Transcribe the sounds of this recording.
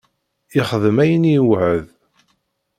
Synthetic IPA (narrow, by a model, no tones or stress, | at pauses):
ɪχəðəmæjəniwʕəð